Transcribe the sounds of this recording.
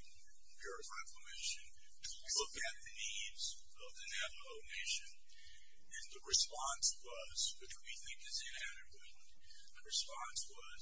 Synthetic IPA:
bɛɹɨfɛfəmeɪʃɨ̃n | tʰəlʊkɨt̪̚ðɨnidz | ʌvðɨnɛf | oʊneɪʃɨ̃n | ɨ̃nðɨɹɨspɑ̃nswʌ | z̥wɨt͡ʃwiθɪ̃ŋkɨzɨ̃næɾɨɪm̃n | ðɨɹɨspɑ̃nswʌz

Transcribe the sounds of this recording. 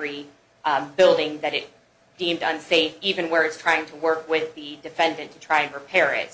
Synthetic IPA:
ɹi | bɪlˠdɪ̃ŋðɨɾɪt̚ | d̥ĩmdʌ̃nseɪfivɨ̃nwə˞ɨtstʰɹ̥aɪɪ̃ŋtʰəwɜ˞kwɪðɨdɨfɛ̃ndɨ̃ntʰɨtʰɹ̥aɪɨ̃nɹɨpʰɛɹɪ̰t̚

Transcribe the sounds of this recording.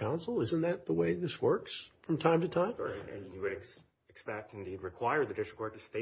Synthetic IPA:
ãʊ̃nsl̩ˠɪzɨ̃nðɨt̪̚ðəweɪðɪswɜ˞ksfɹʌ̃mtʰãɪ̃mtɨtʰãɪ̃m̰̃jɨwɨɾ | ɨkspɛk̚tn̩did̚ɹɨkʰw̥aɪə˞ðɨdɪstɹ̥ə̥kʰɔɹ̚tɨste

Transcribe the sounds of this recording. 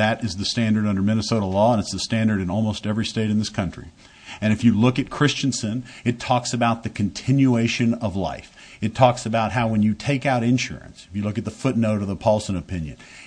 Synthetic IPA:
ðɨɾɨzðɨstæ̃ndə˞ɾʌ̃ndə˞mɪ̃nɨsoʊɾl̩lɔə̃nɨtsðɨstæ̃ndə˞ɾɨ̃nɔlˠmoʊstɛvɹisteɪɾn̩ðɪskʰʌ̃nt͡ʃɹ̥ḭ | ɨ̃ñɨfjɨlʊkɨt̚kʰɹ̥ɪst͡ʃɨ̃nsɨ̃nɨtʰɔksɨbaʊt̪̚ðɨkʰɨ̃n̩tʰɪ̃njueɪʃɨ̃nʌvla̰ɪf | ɨtʰɔksɨbaʊt̚ɦaʊwɨ̃njɨtʰeɪkaʊɾɨ̃nʃʊ̰ɹɨ̰̃nsɨfjɨlʊkɨt̪̚ðəfʊtⁿnoʊɾʌvðəpʰɑlˠsə̃nɨpʰɪ̃njɨ̰̃n

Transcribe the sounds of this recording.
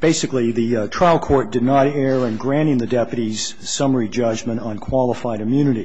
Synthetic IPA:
b̥eɪsɨkliðɨtʰɹ̥aɪlˠkʰɔɹt̚d̥ɨdⁿnəɾɛɹɨ̃nɡɹæ̃ɾ̃ɪ̃ŋðɨdɛpjɨɾiz̥ | sʌmə˞id͡ʒʌd͡ʒmɨ̃ñtʌ̃nkʰw̥ɑlˠəfaɪɾɨmjʉnɨɾi

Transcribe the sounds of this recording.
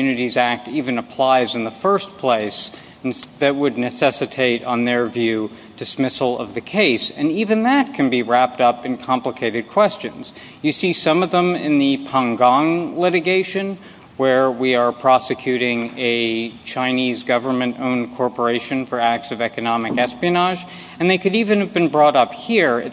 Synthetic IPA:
ʉnɨɾizæk̚tivɨ̃nɨpʰl̥aɪzɨ̃nðəfɜ˞spʰl̥eɪs | n̩ðɨt̚wɨdⁿnɨsɛsɨtʰeɪɾn̩ðə˞vjʉ | d̥ɨsmɪsl̩ˠʌ̰vðɨkʰeɪsɨ̃nivɨ̃nðɨt̚kʰɨ̃nbiɹæp̚tʌpɨ̃nkʰɑ̃mpləkʰeɪɾɨd̚kʰw̥ɛst͡ʃɨ̃nz̥ | jɨsisʌ̃mʌvðə̃mɪ̰̃nðɨpʰɑ̃ŋɡɑ̃ŋlɪɾɨɡeɪʃɨ̃n | wə˞wiə˞pʰɹ̥ɑsɨkʰj̥ʉɾɪ̃ŋɨt͡ʃʰãɪ̃nizɡʌvə˞mɨ̃ntõ̰ʊ̃nkʰɔɹpə˞eɪʃɨ̃nfə˞æk̚tsʌvɛkɨnɑmɨkɛspiɨnɑʒ | ɨ̃nðeɪkɨɾivɨ̃nɨvbɨ̃nbɹɔɾʌphiɹɨ̰

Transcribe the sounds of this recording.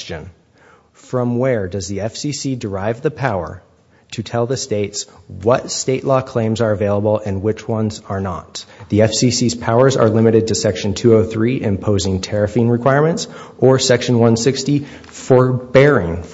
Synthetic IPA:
t͡ʃɨ̰̃n | fɹʌ̃mwə˞dʌzðiɛfsisidə˞aɪvðɨpʰaʊə̰˞ | ɾʰɨtʰɛlˠðɨsteɪtswʌtsteɪʔˡlɔkʰl̥ẽɪ̃mzə˞ɨveɪlˠəbl̩ˠɨ̃nwɨt͡ʃwʌ̃nzə˞nə̰t̪̚ðiɛfsisiz̥pʰaʊə˞zə̰˞lɪ̃mɨɾɨd̚tʰɨsɛkʃɨ̃ntʰʉoʊθɹiʔɪ̰̃mpʰoʊzɪ̃ŋtʰɛɹɨfĩnɹɨkʰw̥aɪɹmɨ̃ntsʔə˞sɛkʃɨ̃nwʌ̃nsɪksti | fə˞bɛɹɪ̃ŋ

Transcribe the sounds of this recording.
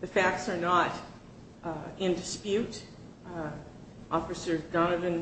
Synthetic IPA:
ðɨfæk̚tsə˞nəɾ | ɪ̃ndɨspjʉɾ | ʔɔfɨsə˞dɑnɨvɨ̃n

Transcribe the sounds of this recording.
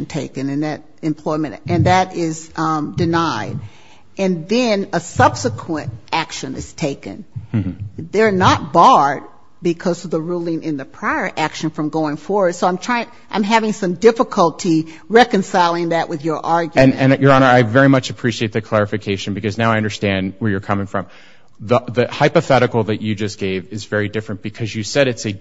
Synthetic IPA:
n̩tʰeɪkɨ̃nɨ̃nðɨɾ | ɨ̃mpʰl̥ɔɪmɨ̃ntɨ̃nðɨɾɪzdɨnaɪɾ | ʔɨ̃nðɨ̃nəsʌb̥səkʰwə̃nʔækʃɨ̃nɨ̰z̥tʰeɪkɨ̰̃n | ðə˞nət̚b̥ɑɹd̚ | bɨkʰʌzʌvðəɹulˠɪ̃ŋʔɨ̃nðɨpʰɹ̥aɪə˞ʔækʃɨ̃nfɹʌ̃mɡoʊɪ̃ŋfɔɹwə˞d̥soʊaɪ̃mtʰɹ̥aɪɪ̃ŋ | ã̰ɪ̃mɦævɪ̃ŋsʌ̃mdɪfəkʰəlˠtʰi | ɹɛkɨ̃nsaɪlˠɪ̃ŋðɨʔwʔɨðjə˞ʔɑɹɡj̃mnɨ̃njə˞ɑnə˞aɪvɛɹimʌt͡ʃɨpʰɹ̥iʃieɪt̪̚ðɨkʰl̥ɛɹɨfɨkʰeɪʃɨ̃n̩bɨkʌznaʊaɪʌ̃ndə˞stæ̃nd̚wə˞jə˞kʰʌmɪ̃ŋfɹʌ̃m | ðəðɨhaɪpɨθɛɾɨkl̩ˠðɨt͡ʃɨd͡ʒʌsɡ̥eɪvɨzvɛɹidɪfɹɨ̃nb̥ɨkʰʌzjɨsɛɾɨtsɨ

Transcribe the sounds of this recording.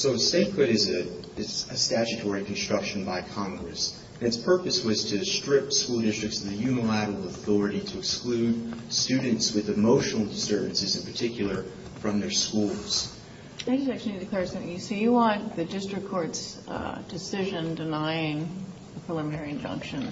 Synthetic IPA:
soʊseɪkɹɨɾɨzɨ | ɨstæt͡ʃɨtʰɔɹikʰn̩stɹ̥ʌkʃɨ̃n̩baɪkʰɑ̃ŋɡɹɨs | ɨ̃nɨtspʰɜ˞pɨswʌz̥tʰɨstɹ̥ɪp̚skulˠdɪstɹ̥ɨk̚tsʌvðɨjʉnəlæɾəl̩ˠəθɔɹɨɾiɾɨːksklʉd̚stʉd̃ⁿn̩tswɨðɨmoʊʃnl̩ˠdɨsɜ˞vɨ̃n̩sɨzɨ̃npʰə˞tʰɪkʰjl̩ˠə˞ | fɹʌ̃mðə˞skulˠz̥ | aɪd͡ʒʌstæk̚t͡ʃʉl̩ˠidɨkʰl̥ɛɹsʌ̃θɪ̃ŋɨsojɨwɑ̃nðɨdɪstɹ̥ɨkʰɔɹtsd̥ɨsɪʒɨ̃ndɨnaɪɪ̃ŋ | ðəpʰɹ̥ɨlɪ̃mə̃nɛɹiɨ̃nd͡ʒʌ̰̃ŋkʃɨ̃n

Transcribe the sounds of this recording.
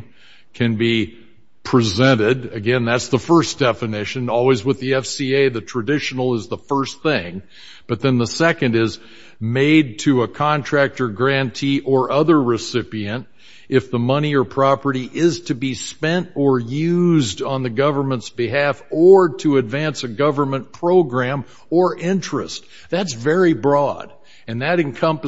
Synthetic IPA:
kʰɨ̃nbi | pʰɹ̥ɨzɛ̃ɾ̃ɪdɨɡɛ̃nðætsðəfɜ˞sd̥ɛfɨnɪʃɨ̃nɔlˠwizwəðiɛfsieɪðɨtʰɹ̥ɨdɪʃn̩l̩ˠəzðəfɜ˞sθɪ̃ŋ | b̥ʌt̪̚ðɨ̃nðəsɛkɨ̃ndɪz | meɪd̚tʰɨəkʰɑ̃ntʰɹ̥æk̚tə˞ɡɹæ̃ntʰiʔə˞ʔʌðə˞ɹɨsɪpiɨ̃nt | ʔɨfðəmʌñiə˞pʰɹ̥ɑpə˞ɾiʔɪz̥tʰɨbispɛ̃ntə˞jʉzdn̩ðɨɡʌvə˞mə̃ntsb̥ɨɦæfə˞ɾɨɨdvæ̃nsɨɡʌvə˞mə̃npʰɹ̥oʊɡɹæ̃m | ə˞ʔɪ̃nt͡ʃɹ̥ɨ̰st̚ | ðætsvɛɹibɹɔd | ɨ̃nðɨɾɨ̃nkʰʌ̃mpɨ

